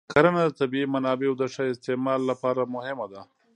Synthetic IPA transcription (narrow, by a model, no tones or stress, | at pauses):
kʰaɾanad̪ət̪abiimanɑbeawd̪aʂaɪst̪ɪmɑlːapɑɾamʊhɪmad̪a